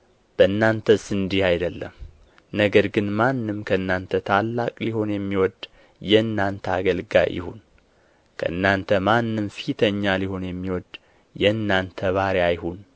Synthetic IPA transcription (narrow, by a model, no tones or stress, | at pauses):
b̥əɨnːant̪ʰəsɨnd̪ihajd̪əlːə̰m | nəɡəɾɡɨnmanːɨmkʰəɨnːant̪ʰət̪ʰalːakʼliho̞njɛmːiwɔd̪ | jɛɨnːant̪ʰəaɡəlɡa̰jʔɪ̰hun | kʰə̰ʔɨnːant̪ʰəmanːɨmfit̪ʰəɲːaliho̞njɛmːiwɔd̪ | jɛɨnːant̪ʰəβaɾjajhun